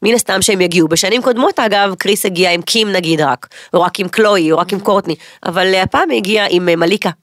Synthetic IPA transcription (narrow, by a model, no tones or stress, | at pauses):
minast̪amʃeemjaɡiubeʃanimko̞d̪mo̞taɡavkʁisheɡiaimkʰimnaɡid̪ʁakoʁakimklo̞ioʁakimkoʁt̪niʔa̰valhapaːmjeɡiaʔimmalika